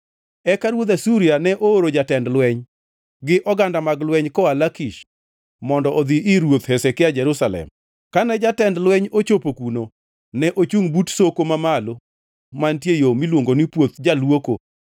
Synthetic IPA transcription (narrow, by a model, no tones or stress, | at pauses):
ɛkaɾwod̪asuɾianɛʔooɾod͡ʒatɛndlwɛɲ | ɡɪʔɔɡandamaɡlwɛɲkɔalakiʃ | mɔndɔʔod̪iʔɪɾwot̪hɛsɛkɪad͡ʒɛɾusalɛ̰m | kanɛd͡ʒatɛndlwɛɲot͡ʃopokuno | nɛʔot͡ʃuŋbutsokomamalo | mantjejomilwoŋɡonipwot̪̚d͡ʒalwoko